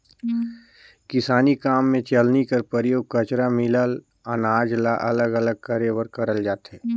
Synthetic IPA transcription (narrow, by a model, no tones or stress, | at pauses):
kɪsaːnikaːmːẽt͡ʃəlnikəɾpəɾjoːɡ̚kət͡ʃɾamɪləl | ənaːd͡ʒlaʔɐləɡələɡ̚kəɾewəɾkəɾəld͡ʒaːt̪ɛː